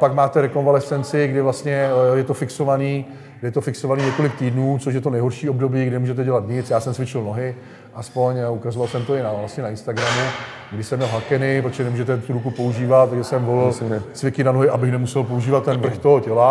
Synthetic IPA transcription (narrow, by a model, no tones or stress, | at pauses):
pakmaːt̪ɛɾɛkonvalɛsɛnt͡sɪɡdɪvlast̪ɲɛjɛt̪o̞fɪkso̞vaniː | ɡɾɪjɛt̪ofɪkso̞vaniːɲɛkolɪk̚t̪iːdnuːt͡soʃ̬jɛt̪onɛjɦo̞ɾʃiːob̚do̞biːɡɾɪnɛmuːʒɛt̪ɛɟɛlat̪ɲɪt͡sjaːsɛmt͡svɪt͡ʃɪlno̞ɦɪ | ʔaspo̞ɲukazovalsɛmt̪o̞ɪnavlast̪ɲɛnaɪnst̪aɡɾamu | ɡdɪsɛmɲɛlɦakɛnɪpɾot̪oʒɛnɛmuːʒɛt̪ɛft̪uɾukupo̞uʒiːvat̪t̪ːaɡʒɛsɛmvo̞lɪlt͡svɪkɪnanoɦɪʔabɪxnɛmusɛlpouʒiːvat̪ːɛnvr̩xt̪oɦocɛla